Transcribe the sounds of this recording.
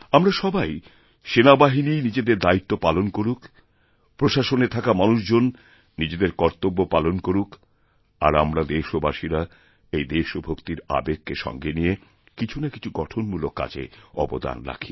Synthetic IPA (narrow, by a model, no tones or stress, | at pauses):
amɾaʃɔbaj | ʃenabaɦininid͡ʑed̪eɾd̪ait̪ːopalonkoɾukʰ | pɾoʃaʃonet̪ʰakamanuʃd͡ʑonː | id͡ʑed̪eɾkɔɾt̪obːopalonkoɾukʰ | a̰ɾa̰mɾad̪eʃobaʃiɾa | ejd̪eʃobʱokt̪iɾa̰bekːeʃɔ̰ŋɡenije | kit͡ɕʰunaki̥t͡ɕʰuɡɔʈʰonmulokːa̰t͡ɕʰḛɔ̰bo̰d̪a̰nɾa̰kʰi̥